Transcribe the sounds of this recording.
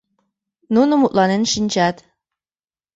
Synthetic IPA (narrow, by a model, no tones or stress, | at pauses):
nunumuʔ̪lˠɑnɪnʃint͡ʃæt̪